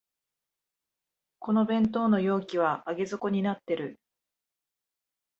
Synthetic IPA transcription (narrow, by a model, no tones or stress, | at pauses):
ko̞no̞bẽ̞nt̪o̞ːno̞jo̞ːkʲiβ̞aːɡe̞zɨko̞ɲ̟inat̪ːe̞ɾɯ̟